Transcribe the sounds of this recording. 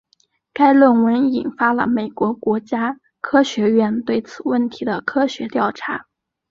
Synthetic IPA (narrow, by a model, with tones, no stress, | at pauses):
ka˥ɪlwə˥˩nwə˧˥ni˨˩nfa˥lə̰˨˩me˨˩ɪkwɔ˧˥kwɔ˧˥t͡ɕja˥ | kʰɤ˥ɕɥɛ˧˥ɥɛ˥˧nt̪we˥˩ɪt͡sʰɹ̩˨˩wə˥˩nt̪ʰi˧˥d̪ə˧kʰɤ˥ɕɥɛ˧˥t̪jɑ˥˩ʊʈ͡ʂʰa˧˥